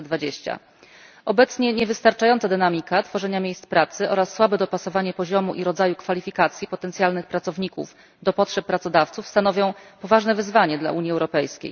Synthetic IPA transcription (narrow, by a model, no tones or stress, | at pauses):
d̪vad͡ʑeɕt͡ɕa̰ | ʔɔbɛt̪sɲɛɲɛvɘst̪aɾt͡ʂajɔnt̪ad̪ɘnamʲikat̪fɔʐɛɲamʲjejst̪spɾat̪sɘʔɔɾasːwabɛd̪ɔpasɔvaɲɛpɔʑɔmuʔiɾɔd̪zajukfalʲifʲikat̪sʲjipɔt̪ɛnt̪sjalnɘxpɾat̪sɔvɲikṵf | d̪ɔpɔtʂɛpːɾat̪sɔd̪aft̪sufst̪anɔvʲjɔ̃w̃pɔvaʐnɛvɘzvaɲɛd̪la̰ʔuɲjiɛwɾɔpɛjskʲḛj